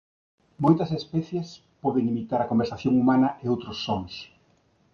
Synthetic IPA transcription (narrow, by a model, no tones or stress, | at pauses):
mojt̪ɐsespɛθjes | pɔðeŋimit̪aɾɐkombeɾsaθjoŋumanɐʔeowt̪ɾʊsːɔŋs